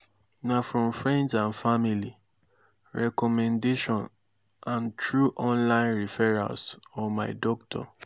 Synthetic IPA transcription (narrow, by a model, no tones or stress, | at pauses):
nafɹɔ̃mfɹɛ̃ndsãnfamili | ɹɛkɔmɛ̃ndeʃɔ̃n | ãntɹuʔɔ̃nlãɪ̃nɹifɛɹa̰sɔmaɪdɔktʰɔ̰